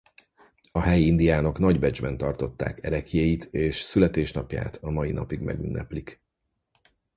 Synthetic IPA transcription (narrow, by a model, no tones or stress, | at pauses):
ɒɦɛjind̪ijaːno̞knɒɟbɛd͡ʒbɛnt̪ɒrt̪o̞t̪ːa̰ːkɛɾɛkijejit̪ʰeːʃsylɛt̪eːʃnɒpja̰ːt̪ɒmɒjinɒpiɡmɛ̰ɡy̰nːʔɛ̰plik